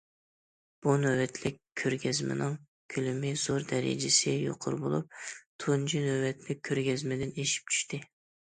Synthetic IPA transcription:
b̥unøwɛt̪ʰlɪkʲʰːøɾɡʲɛzmɪ̰nɨŋ | kʲʰylymɪz̥oɾd̪ɛɾɪ̰d͡ʒɪsɪjo̰qʰʊ̰ɾbo̰lˠṵp̚t̪ʰund͡ʒʰinøwɛt̪ʰlɪk̚ʲʰːøɾɡʲɛzmɪd̪ɪneʃi̥p̚t͡ʃʰy̥ʃt̪ɪ

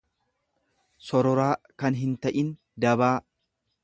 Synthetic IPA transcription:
sɔɾɔɾaː | kɐnɦɪnt̪ɐʔɪn | d̪ɐβaː

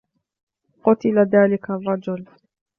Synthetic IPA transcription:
qʊt̪ɪlaðaːlɪkarˤːɑd͡ʒʊl

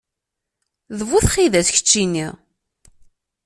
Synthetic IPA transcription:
ðəvuθχiðæsçə̥t͡ʃːinːiʁ

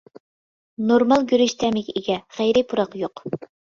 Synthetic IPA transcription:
noɾmɑlˠɡʲyɾyʃt̪ʰɛmɪkʲiɡʲɛχæjɾɪpʰuɾɑqjoq

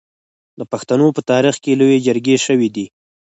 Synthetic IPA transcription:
d̪əpaxt̪anopət̪ɑɾixkelojed͡ʒəɾɡeʃəwid̪i

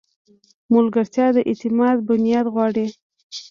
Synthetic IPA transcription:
mʊlɡaɾt̪jɑd̪əʔet̪ɪmɑd̪̚bʊnijɑd̪ɣwɑɽi

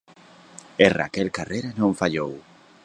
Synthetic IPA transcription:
era̰kelkareɾanõɱfaʎow

